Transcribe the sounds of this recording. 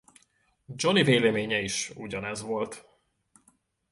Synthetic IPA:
d͡ʒo̞niveːlɛmeːɲɛiʃuɟɒnɛzʋo̞lt̪

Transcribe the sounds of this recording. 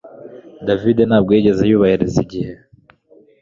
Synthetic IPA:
davidenaːb̚ɡeiɟe̞zejuːβahiɾeziɟihe

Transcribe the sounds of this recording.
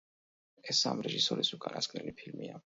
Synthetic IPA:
ɛsamɾɛʒisɔɾisukʼanaskʰnɛlipʰilmia

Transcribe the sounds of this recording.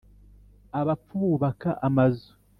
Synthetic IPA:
aβap͡fuːβaka̰ʔamazu̥

